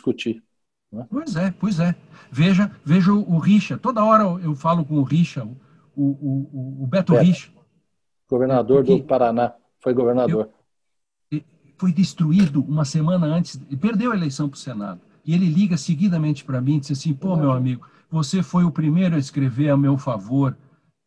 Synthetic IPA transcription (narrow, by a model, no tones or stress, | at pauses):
iskut͡ʃi | nɛpojzɛpojzɛveʒɐveʒɐʊʔʊʁiʃɐt̪od̪ɐɔɾɐewfalʊkõʊʁiʃɐʊ | ʊʊːbɛɾt̪ʊiʃɐ̥ | ɡ̥oveɾnad̪oɾd̪ʊpaɾana | fojɡoveɾnad̪oɾ | fojd̪est̪ɾuid̪ʊũmɐsemɐ̃nɐɐ̃nt͡ʃɪ̥zpeɾd̪ewɐelejsɐ̃w̃pɾʊ̥sena̰d̪ʊ | ɪelɪliɡɐseɡid̪ɐmẽnt͡ʃɪ̥pɾɐmĩd̪izasĩpomewamiɡʊ | vosefojʊpɾimejɾʊɐɪskɾeveamewfavoɾ